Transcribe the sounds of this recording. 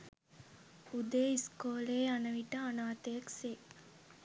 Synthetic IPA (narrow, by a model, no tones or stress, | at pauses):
ud̪eːiskoːleːanɐʋiʈəanaːt̪ejɐkse